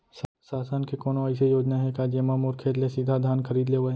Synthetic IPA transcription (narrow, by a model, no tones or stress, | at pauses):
ssaːsənkekoːnoɐɪs̬ejoːd͡ʒnaɦɛkaːd͡ʒjemaːmɔːɾkʰeːd̪lesid̪ʱad̪ʱaːnkʰəɾiːd̪leʋa